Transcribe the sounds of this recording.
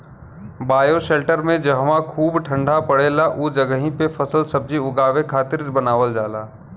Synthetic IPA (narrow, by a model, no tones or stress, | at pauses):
baːjoʃeːlʈəɾmẽd͡ʒɐɦʋãkʰuːbʈʰə̃ɳɖʱapəɽeːlaʔuːd͡ʒɐɡəɦĩpefʰɐsəlsɐb̚d͡ʒiʊɡaːʋekʰaːt̪ɪɾbənaːʋəld͡ʒaːlaː